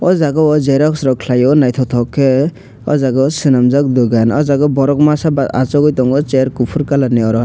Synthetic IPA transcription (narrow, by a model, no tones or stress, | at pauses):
ɔzaɡɔɔzeɾaksɾɔkʰlajɔnajt̪ʰɔt̪ʰɔkʰːe | ɔzaɡɔsɯnamzak̚d̪uɡanɔzaɡɔbɔɾɔkmasabaa̰t͡ʃɔɡɔjt̪ɔŋɡɔt͡ʃeɾkupʰuɾkalaneɔɾɔ